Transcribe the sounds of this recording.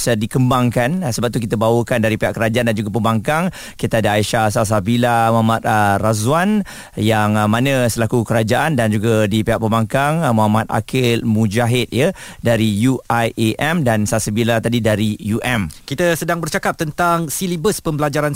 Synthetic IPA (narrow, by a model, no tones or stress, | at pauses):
sadikəmbaŋkansəbap̚t̪uk̬it̪əbawəkandaɾipeɦaʔkəɾad͡ʒaandand͡ʒuɡapəmbaŋkaŋ | kit̪aadəaiʃasas̬abilamuɦamat̪̚ərazwan | jaŋmãnə̃səlakukəɾad͡ʒaʔandand͡ʒuɡadipehaʔ̚pəmbaŋkaŋmuɦamat̪̚a̰kɪlmũd͡ʒaɦɪt̪̚jədaɾijuajʔeʔɛmdansasabilat̪adidaɾijuʔɛmkit̪əsədaŋbərt͡ʃakap̚t̪ənt̪aŋsilibəspəmbəlad͡ʒaɾan